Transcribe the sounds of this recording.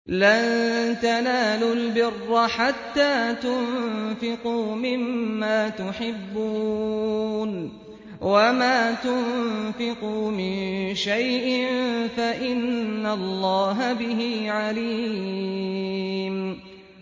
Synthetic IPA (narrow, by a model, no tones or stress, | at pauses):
lant̪anaːlʊlbɪrːaħat̪ːaːt̪ʊnfɪquːmɪmːaːt̪ʊħɪbːu | n | wamaːt̪ʊnfɪqumɪnʃajʔɪmfaʔɪnːalˤːɑːɦabɪɦiːʕaliː | m